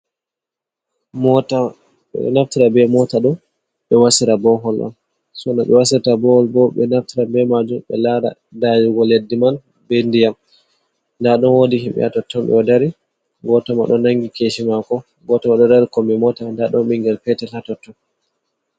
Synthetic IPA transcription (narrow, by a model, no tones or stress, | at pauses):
mɔta̰ | naftiɾabɛmɔtaɗɔ | ɓɛwasiɾabɔɦɔlʔa̰m | sɔnaɓɛ̰wasiɾtabɔhɔlbɔɓɛ̰naftiɾabɛmad͡ʒumɓɛ̰laɾa̰ | dajuɡɔledːiman | bɛndijam | ndaɗɔnwodiɦimɓɛ̰atɔtʰːɔnɓɛ̰ɔdaɾi | ɡɔtɔmaɗɔnaŋɡikeʃimakɔ | ɡɔtɔmaɗɔdaɾikɔmbɛmɔtandaɗɔnɓiŋɡɛlpɛtɛlhatɔtːɔn